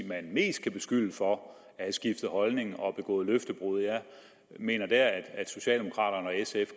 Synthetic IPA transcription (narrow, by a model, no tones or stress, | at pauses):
mænme̝̰ːsd̥̚kʰæb̥e̝sɡ̥yl̰əfɒ̽ | æhæsɡ̥ifd̥ð̩ˠhɒ̽lne̝ŋ̩ɒ̽b̥e̝ɡ̥ɔ̰̽ːð̩ˠløfd̥əb̥ʁuðˠjæ | me̝̰ːnɐd̥æɐæd̥æd̥so̝ɕɛ̰ld̥emo̝kʰʁɑ̰̈ːɾ̥ɐnəɒ̽esef